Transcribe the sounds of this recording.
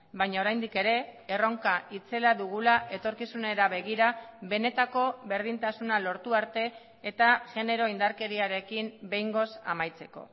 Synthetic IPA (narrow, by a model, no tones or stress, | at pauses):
bajɲao̞ɾajnd̪ike̞ɾe̞ero̞ŋkaʔit͡se̞laðuɣulaʔe̞t̪o̞ɾkisune̞ɾaβe̞ɣ̞iɾaβe̞ne̞t̪ako̞βe̞ɾð̞int̪asunalo̞ɾt̪uaɾt̪e̞ː | t̪aɣe̞ne̞ɾo̞ind̪aɾke̞ɾiaɾe̞kimbe̞jŋɡo̞sa̰majt͡se̞ko̞̰